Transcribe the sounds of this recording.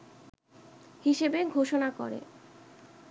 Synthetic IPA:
hiʃebeɡʱoʃonako̰ɾḛ

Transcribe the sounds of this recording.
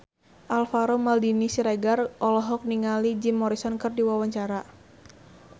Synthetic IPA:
ʔalfaɾɔmaldinisiɾɛɡarʔɔlɔɦɔk̚niŋalid͡ʒimːɔɾisɔnkɨrdiwawaɲt͡ʃaɾa

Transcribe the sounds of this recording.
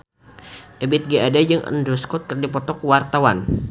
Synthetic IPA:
ʔəbɪt̪̚ɡaadajɨŋʔə̰nduskɔt̪̚kərdipɔt̪ɔkwart̪awa̰n

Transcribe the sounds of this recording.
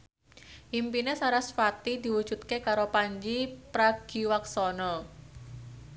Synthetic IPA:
ʔimpinesaɾasfat̪id̪̥i̤wud̥ʒ̥ṳt̪̚kekaɾopaɲd͡ʒipɾaɡ̥iwaksɔnɔ

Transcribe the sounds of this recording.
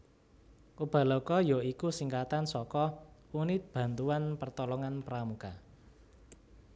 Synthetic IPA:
ʔub̥a̤lɔkɔjoikusiŋkat̪ansɔkɔunɪt̪̚b̥ä̤nt̪uanpərt̪ɔlɔŋanpəɾamuka

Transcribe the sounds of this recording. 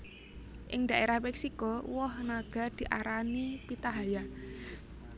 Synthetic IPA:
ʔɪŋd̪̥aʔeɾahmɛksikɔwɔhnaɡ̥a̤d̪̥i̤ʔaɾanipit̪aɦaja

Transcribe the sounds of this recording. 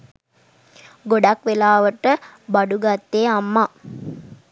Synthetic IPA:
ɡoɖakʋelaːʋəʈəbaɖuɡat̪ːeːamːa

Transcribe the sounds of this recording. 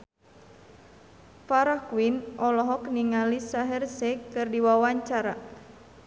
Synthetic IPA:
faɾahkwinɔlɔɦɔkniŋalisaɦɛrsɛkɨrdiwawaɲt͡ʃaɾa

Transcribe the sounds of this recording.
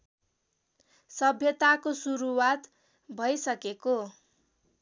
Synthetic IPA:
sʌbʱjʌt̪akosuɾuwat̪ | bʱʌjsʌkeko

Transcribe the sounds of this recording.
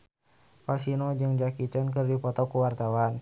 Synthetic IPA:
fasinɔd͡ʒɨŋd͡ʒakit͡ʃənkɨrdipɔt̪ɔkuwart̪awan

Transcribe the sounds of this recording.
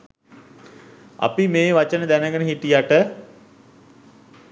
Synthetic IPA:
a̰pimeːʋat͡ʃənəd̪ænəɡənəɦiʈijaʈə

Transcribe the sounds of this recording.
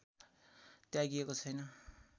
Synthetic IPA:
t̪jaɡiekot͡sʰʌjnʌ

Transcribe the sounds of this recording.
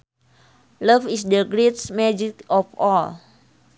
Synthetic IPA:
ləfisdəɡɾetsmɛd͡ʒikɔfɔl

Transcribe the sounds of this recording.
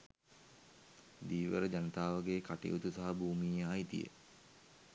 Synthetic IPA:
d̪iːʋəɾəd͡ʒanət̪aːʋəɡeːkaʈḛjut̪usaɦabʱuːmiːjaɦait̪ḭjə̰

